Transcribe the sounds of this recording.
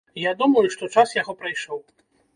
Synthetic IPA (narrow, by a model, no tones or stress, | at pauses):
jad̪umɐjuʂt̪ɔt͡ʂasjaɣɔpɾajʂɔw